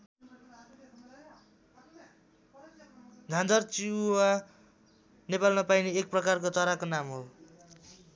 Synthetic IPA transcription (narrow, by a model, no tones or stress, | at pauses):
d͡z̪ʱãnd͡zʌrt͡sia | nepalmapajniek̚prʌkarkot͡sʌɾakonamɦo